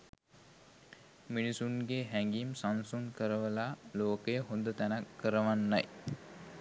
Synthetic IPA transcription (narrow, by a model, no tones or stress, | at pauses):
minisuŋɡeɦæŋɡimsansuŋkəɾəʋəlaloːkəjəɦond̪ət̪ænakːəɾəʋanːaj